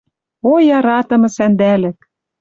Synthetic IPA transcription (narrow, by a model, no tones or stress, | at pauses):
ojɑɾɑt̪ɤ̆mɤ̆sænd̪ælɘ̆k